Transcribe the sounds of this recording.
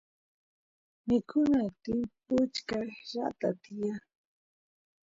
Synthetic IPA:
mɪkʰʊnat̪ɪpʊt͡ʃkajɾa̰t̪at̪ɪja

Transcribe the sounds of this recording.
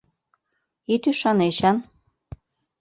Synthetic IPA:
it̪yʃɑneɕɑn

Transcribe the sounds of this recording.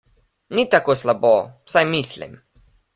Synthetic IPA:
nit̪akoːslabowsajmislḭm

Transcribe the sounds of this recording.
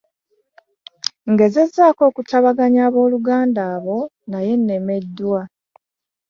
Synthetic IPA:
ŋɡe̞zezːaːko̞ːkutaβaɡaɲaːβo̞ːluɡaːndaːβo̞ | naje̞nːe̞me̞dːuwa

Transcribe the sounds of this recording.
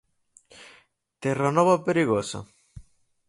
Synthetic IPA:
t̪eranɔβapeɾiɣosa̰

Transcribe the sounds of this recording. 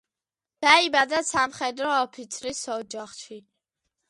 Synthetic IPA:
d̪̥aibad̪asamχɛd̪ɾɔɔpʰit̪sʰɾisɔd͡ʒaχʃi

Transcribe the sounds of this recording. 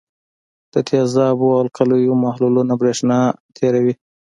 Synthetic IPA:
d̪̥ət̪ʰjazɑbualkʰalujumahlulunabɾeʂnɑt̪ʰeɾawi

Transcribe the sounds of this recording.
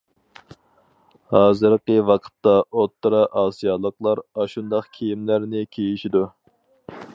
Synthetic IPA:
hɑːzɨɾqəwɑqʰə̥t̪ːɑot̪ːɨɾɑʔɑːsijɑlˠəqlˠɑɾɑʃund̪ɑqkʲʰejimlæɾnɪkʲʰejiʃid̪u

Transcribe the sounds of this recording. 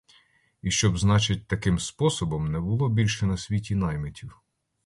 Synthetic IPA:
iʃt͡ʃɔbznɑt͡ʃɪt̚ʲt̪ɐkɪmspɔsɔbɔmnɛbʊlˠɔbʲilʲʃɛnɐsʲʋʲitʲinɑjmetʲʰiw

